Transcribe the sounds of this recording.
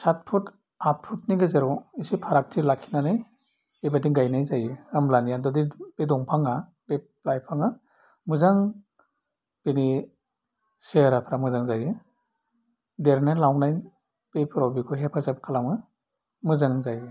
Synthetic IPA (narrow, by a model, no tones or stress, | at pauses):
sat̚pʰut | at̚pʰutniɡɯzeɾɔisipʰaɾak̚tʰilakʰinanaj | ebadiɡajnajzajiɯmlanijadɔdib̥edɔŋpʰaŋa | beplajpʰaŋa | mɯzaŋ | b̥eni | seɾapʰɾamɯzaŋzajɯ | deɾnajlawnaj | b̥epʰɯɾawbikʰuɦepʰazapkʰalamɯ | mɯzaŋzaji